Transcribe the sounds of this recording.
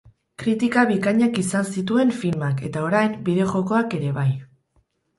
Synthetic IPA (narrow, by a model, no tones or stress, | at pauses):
kɾit̪ikaβikaɲakisansit̪ue̞ɱfilmake̞̰t̪ao̞ɾajmbiðe̞ʝo̞ko̞ake̞ɾe̞βaj